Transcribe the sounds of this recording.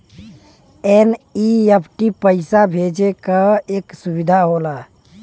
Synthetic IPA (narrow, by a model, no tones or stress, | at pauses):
eniepʰʈipəɪsabʱeːd͡ʒekaeːksʊbɪd̪ʱaɦoːlaː